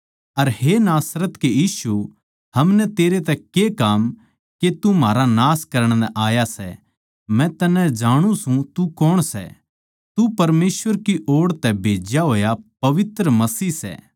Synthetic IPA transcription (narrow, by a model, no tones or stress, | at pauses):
ɐɾɦenaːsɾət̪kejiːsu | hɐmnɛt̪eːɾet̪̬ɛkekaːm | ket̪umaːɾanaːskɐɾəɽ̃nɛʔaːjasɛ̰ | mɛ̃t̪ɐnɛ̃d͡ʒaːɽ̃ũsũt̪ukɔːɽ̃sɛ̰ | t̪upɐɾmeːsʋəɾkiʔoːɽt̪ɛbʱeːd͡ʒjaɦoːjapɐʋɪt̪ɾəmɐsiːsɛ̰ː